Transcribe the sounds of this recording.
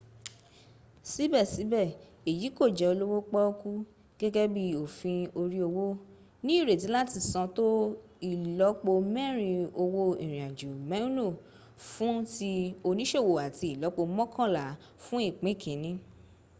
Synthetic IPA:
si˦bɛ˦˨si˨˦bɛ˦˨ | e˨ji˨˦ko˦˨d͡ʒɛ˨˦o˧lo˦wo˦k͡pɔ˦o˦ku˦ | ɡ̥ɛ˦ɡɛ˦bi˦o˨fĩ˧o˧ɾi˦o˧wo˦ | nĩ˦i˦˨ɾe˨t̬i˨˦la˦ti˧˨sã˧to˦ | i˦˨lɔ˨˦k͡po˧mɛ˦˨ɾ̃ĩ˧o˧wo˧i˨ɾ̃ĩ˨a˨d͡ʒo˨mɛ˨˦ũ˦lo˦˨ | fũ˦ti˧o˧nĩ˦ʃe˦˨wo˨a˨ti˧˦i˨lɔ˨˦k͡po˧mɔ̃˦kʰã˦˨la˨˦ | fũ˦i˦˨k͡pĩ˨˦˨kʰẽ˨˦nĩ˦

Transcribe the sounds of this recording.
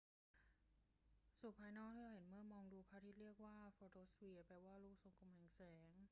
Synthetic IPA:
su˨˩pʰaː˧jnɔː˥˩k̚t̪ʰiː˥˩ɾa˧˩he˩˦nmɯ˥˩əmɔː˧ŋduː˧kʰaː˦˥˩t̪ʰiː˥˩ɾi˥˩ək̚waː˥˩foː˧t̪ʰoː˥swi˧pɛː˧waː˥˩luː˥˩k̚so˨˩˦ŋkʰo˧mkʰɛ˨˩˦ŋsɛː˩˦ŋ

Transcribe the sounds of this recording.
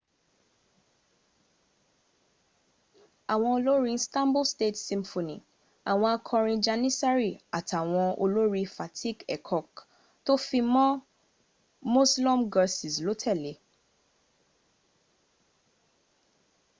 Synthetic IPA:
a˨w̃ɔ̃˧o˧lo˦ɾĩ˧stã˦mbo˦ste˦˨tsĩ˧mfo˨nĩ˨ | a˨w̃ɔ̃˧a˧kʰɔ̃˧ɾ̃ĩ˧d͡ʒa˧nĩ˦sa˦ɾi˦˨a˨tʰa˨w̃ɔ̃˧o̰˧lo˦ɾi˧fa˨tʰi˦kɛ˨kʰɔ˨k | to˦fĩ˧mɔ̃˦ | mũ˦slɔ̃˦mɡa˧si˨slo˨˦tʰɛ˦˨le˨˦

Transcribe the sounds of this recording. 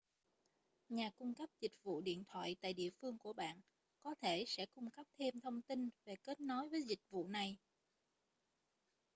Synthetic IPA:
ɲaː˨˩kʊ˧ŋ͡mkə˦˥p̚zï˨˩k̟̚vṵ˧˨ɗḭ˧˨ənt̪ʰwa̰ː˧˨jt̪a̰ː˧˨jɗḭ˧˨əfɨ˧əŋku˧˩əɓa̰ː˧˨n | kɔ˨˦t̪ʰe˧˩sɛ̰˧˥kʊ˧ŋ͡mkə˦˥p̚t̪ʰe˧mt̪ʰə˧wŋ͡mt̪i˧nve˨˩ke˦˥t̚nɔ˨˦jvəː˨˦jzï˨˩k̟̚vṵ˧˨na˨˩j

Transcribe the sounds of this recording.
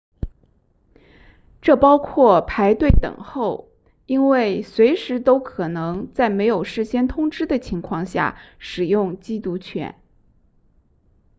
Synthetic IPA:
ʈ͡ʂɤ˥˩pɑ˥ʊkʰwɔ˥˩pʰa˧˥ɪt̪we˥˩ɪt̪ɤ̰˨˩ŋxo˥˩ʊ | i˥nwe˥˩ɪswe˧˥ɪʂɻ̩˧˥t̪o˥ʊkʰɤ˨˩nɤ˧˥ŋt͡sa˥˩ɪme˧˥ɪjo˨˩ʊʂɻ̩˥˩ɕjɛ˥nt̪ʰʊ˥ŋʈ͡ʂɻ̩˥d̪ə˨t͡ɕʰi˧˥ŋkʰwɑ˥˧ŋɕja̰˥˩ʂɻ̩˨˩jʊ˥˩ŋt͡ɕi˥t̪u˧˥t͡ɕʰɥɛ̰˧˥˦n

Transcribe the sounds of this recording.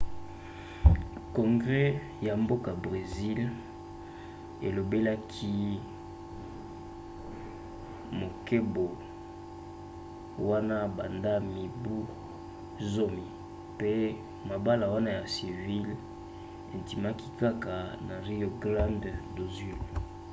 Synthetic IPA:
kɔ˨ŋɡʁe˦ | ja˨mbo˦ka˨bʁe˨zi˦l | ḛ˨lo˨be˦la˦kʰi˦ | mo˨ke˦bo˨ | wa˦na˦ba˨nda˦mi˨bu˦ | zo˦mi˨ | pe˦ | ma˨ba˦la˨wa˦na˦ja˨si˨vi˦l | e˨nti˨ma˦ki˦ka˦ka˨na˨ʁi˦o˨ɡla˦nddo˨zi˨l

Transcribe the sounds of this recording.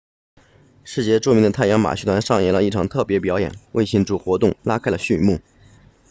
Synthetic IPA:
ʂɻ̩˥˧t͡ɕjɛ˥˧ʈ͡ʂu˥˩mi˧˥ŋd̪ə˧t̪ʰa˥˩ɪjɑ˧˥ŋma̰˨˩t͡ɕʰy˧˥t̪wa˧˥nʂɑ˥˧ŋjɛ˥˩lə˦i˥˩ʈ͡ʂʰɑ˨˩ŋt̪ʰɤ˥˩pjɛ˧˥pjɑ˧˥jɛ̰˨˩˦nwʔe˥˧ɪɕi˥˧nʈ͡ʂu˥˩xwɔ˧˥t̪ʊ˥˩ŋla˥kʰa˥ɪlə˨˩ɕy˥˧mu˥˩

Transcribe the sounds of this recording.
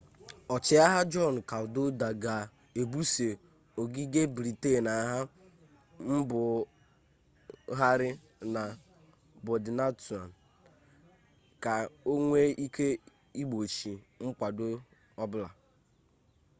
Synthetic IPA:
ɔ˨t͡ʃɪ˨˦a˦ɦa˦d͡ʒɔ˦n̩˨ka˨ʊ˨do˦da˨ɡa˨ | e˨bu˦se˨ | o˨ɡi˦ɡe˦bɾi˨te˦˨na˨ɦa˦ | m̩˦bʊ˨ | ɦa˦ɾɪ˦ | na˨ | bʊ˨dɪ˨na˦tu˨a˨n̩˨ | ka˨o˦ŋʷe˦i˦ke˦ | i˦ɡ͡bo˨t͡ʃi˨ | ŋ͡m̩˦k͡pʷa˨do˦ | ɔ˦bʊ˦la˨

